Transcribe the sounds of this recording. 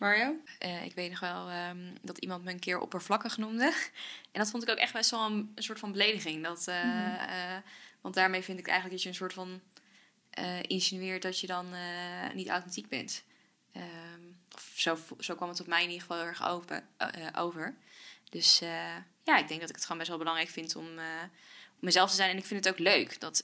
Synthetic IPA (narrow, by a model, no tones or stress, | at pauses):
mɑɹiowʔəɪ̰kʋejtnɔχʋɛlˠədɑtimɑntməənkɪːɹʔɔ̰pəɹvlɑkəχənumdəʔɛndɑtfɔntɪkowkɛχt̚bɛstʋɛlˠənənsʊːɹtfɑnbəlejdəχɪŋdɑtə | ʋɑndaːɹmejvɪndɪkɛ̰jxənləkdɑsjəənsʊːɹtfɑn | ʔəːʔɪnsinyɪːɹdɑtjədɑnənita̰wtɛntiɡ̚bɛ̰nt | əɔfsowz̥owkʋɑmətɔtmɛjɪnidəχə̥fɑlˠɪʊɛχo̰ə̰ʔo̰wvəɹd̥ɵsəjaːɪɡ̚dɛŋk̚dɑtɪkətχəoːnbɛsʋɛlˠbəlɑŋrɛjkfɪntɔ̰mə | ɔmːəzɛlˠftəzɛjnɛnɪkfɪndətowkløɥkdɑt